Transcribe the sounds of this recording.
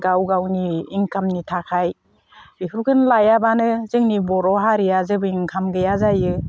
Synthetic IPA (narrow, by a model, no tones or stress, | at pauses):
ɡawɡawniːŋkʰamnitʰakʰaj | bikʰɾkʰɯnlajabanɯzɯŋnibɔɾɔɦaɾijazɯbɯiŋkʰamɡɯjazajɯ